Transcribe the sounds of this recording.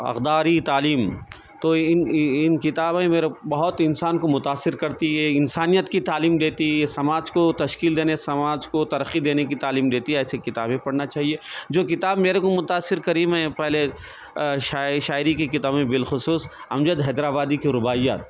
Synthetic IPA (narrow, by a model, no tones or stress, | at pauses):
ɐ̰qd̪aːɾit̪aːliːm | t̪oɪnɪnkɪt̪aːbẽmeːɾebɐɦʊt̪ɪnsaːnkomʊt̪aːsːɪɾkɐɾt̪iɦɛɪnsaːnijət̪kit̪aːliːmd̪eːt̪iɦesɐmaːd͡ʒkot̪ɐʃkiːld̪eːnesɐmaːd͡ʒkot̪ɐɾəqːid̪eːnekit̪aːliːmd̪eːt̪iɦɛɛːsekɪt̪aːbẽpɐɽnat͡ʃaːɦied͡ʒoːkɪt̪aːbmeːɾekomʊt̪aːsːɪɾkɐɾiːmɦɛ̃pɛɦle | ʃaʃaːɪɾikikɪt̪aːbmẽbɪlxʊsuːs | ɐmd͡ʒəd̪ɦɛːd̪ɾaːbaːd̪ikiɾʊbaːɪja̰ːt̪